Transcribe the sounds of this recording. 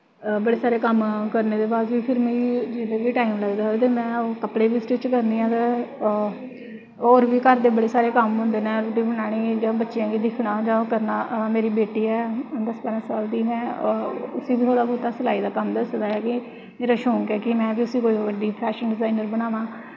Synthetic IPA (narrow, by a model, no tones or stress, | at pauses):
bəɽeːsaːɾeːkəmkəɾneːd̪eːbaːzʋiːpʰɪɾmẽːiːd͡ʒɪd̪eːʋiːʈaːiːmləɡd̪aːɦt̪eːmɛ̃ːoːkəpɽeːbiːsʈɪt͡ʃkəɾnd̪iːɦãːt̪e | oːɾʋiːkəɾd̪eːbəɽeːsaːɾeːkəmɦʊ̃nd̪eːnɛːɾɖiːbənaːɽ̃iːd͡ʒãːbətːʃijãːɡiːd̪ɪkʰɽãːd͡ʒãːkəɾnaːmeːɾiːbeːʈiːɛːd̪əspaːɾãːsaːld̪iːmɛ̃ːʊsiːbiːt̪ʰoːɽaːbɔːt̪aːsəlaːiːd̪aːkəmd̪əsd̪aːɛːkɪ | meːɾaːʃõːŋkɛːkɪmɛ̃ːbiːʊsiːkoːiːʋəɖiːpʰɛːʃənɖɪzaːinəɾbəɽ̃aːʋãː